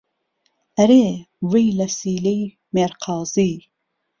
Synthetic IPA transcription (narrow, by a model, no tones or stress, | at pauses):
ɐɾe | wijlɐsiːlej | meɾqʰɑːziː